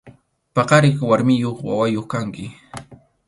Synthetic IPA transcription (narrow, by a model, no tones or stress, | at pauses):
pɑqɑɾɪkwaɾmɪjoχwa̰wajoχkaŋkɪ